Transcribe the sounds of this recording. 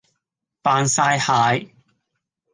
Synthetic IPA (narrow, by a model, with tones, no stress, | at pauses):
paː˧nsaː˧˥jhaː˨˧j